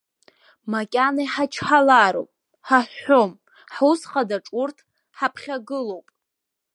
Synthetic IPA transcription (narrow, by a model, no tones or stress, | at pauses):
makʲʼanajħat͡ʃʰħalaɾo̰wpʼ | ħaħːom | ħusχadaʈ͡ʂʼurtʰ | ħapʰχʲaɡɨlowpʼ